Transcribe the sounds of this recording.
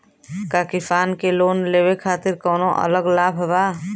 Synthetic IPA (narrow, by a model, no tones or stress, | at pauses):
kakɪfʰaːnkeloːnleːbekʰaːt̪ɪɾkɔːnõʔə̰ləɡlaːbʱbaː